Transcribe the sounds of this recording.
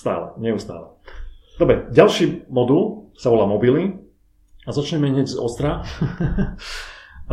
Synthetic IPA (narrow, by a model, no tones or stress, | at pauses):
t̪a̰ːlɛ̰ɲɛust̪a̰ːlɛ | d̪ɔbɾɛɟalʃiːmɔd̪ulsaʋɔlaːmɔbili | azat͡ʃɲɛmɛɦɲɛɟzɔ̰st̪ɾa | a